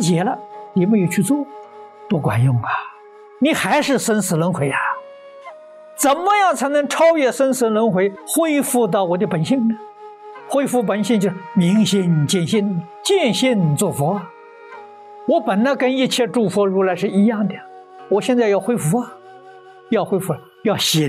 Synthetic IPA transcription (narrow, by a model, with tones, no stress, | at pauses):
t͡ɕjɛ˧˥lə˧ni˨˩me˧˥jo˧˩ʊt͡ɕʰy˥˧t͡swɔ˥˩ | t̪wɔ˥˩kwa̰˨˩njʊ˥˩ŋa˨˩ | ni˨˩˥xa˧˥ɪʂɻ̩˥˩sə˥nsɹ̩˧˥lə˧˥nxwe˧˥ɪa˩ | t͡sə˨˩nmə˧jɑ˥˩ŋt͡sʰa˧˥ɪnɤ˧˥ŋʈ͡ʂʰɑ˥ʊɥɛ˥˩sə˥nsɹ̩˧˥lə˧˥nxwe˧˥ɪxwe˥ɪfu˥˧t̪̬ɑ˥˩ʊwɔ˨˩d̪ə˧pə˨˩nɕi˥˩ŋnə˦ | xwe˥ɪfu˥˧p̬ə˨˩nɕi˥˧ŋt͡ɕjʂmi˧˥ŋɕi˥˧n˨t͡ɕɛ˥˩nɕi˥˩n˨˩t͡ɕjɛ˥˧nɕi˥˧n˨˩t͡swɔ˥˩fɔ˧˥ɐ˩ | wɔ˧˥pə˨˩nə˧kə˥ni˥˧t͡ɕʰjɛ˥˧ʈ͡ʂu˥˩fɔ˧˥ɻu˧˥la˧˥ɪʂɻ̩˥˩i˧˥jɑ˥˩ŋd̪ə˨˩ | wɔ˨˩ɕjɛ˥˧nt͡sa˥˧ɪjɑ˥˧ʊxwe˥ɪfu˧˥ɐ˨ | jɑ˥˩ʊxwe˥ɪfu˥˩la˨˩ | jɑ˥˩ʊɕi˧˥